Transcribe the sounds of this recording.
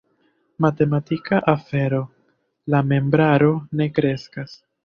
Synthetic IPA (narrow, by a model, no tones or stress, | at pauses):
mate̞matikaʔafe̞ɾo̞ | lame̞mbɾaɾo̞ne̞kɾe̞skas